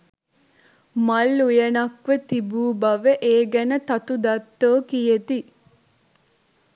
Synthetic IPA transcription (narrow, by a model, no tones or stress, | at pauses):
mɐlːujɐnɐkʋət̪ibuːbɐʋəʔeːɡɛnət̪ɐt̪ud̪ɐt̪ːoːkijet̪i